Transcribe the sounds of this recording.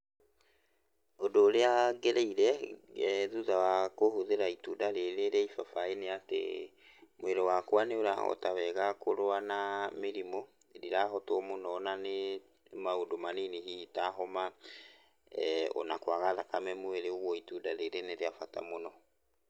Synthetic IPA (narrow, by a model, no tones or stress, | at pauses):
odoːɾeaɡeɾeiɾɛ | ðuðawakohoðeɾaitudaɾeɾeɾeaifafaeneatḛ | mwɛɾɛwakwaneoɾa̰ɔ̰tawɛɣakoɾoanameɾimo | ɾiɾaɦɔtwɔmonɔːnane | maodomaniniɦitaɦɔma | ɔ̰nakwaɣaðakamɛmoeɾeoɣwɔitudaɾeɾeneɾeafata̰monɔ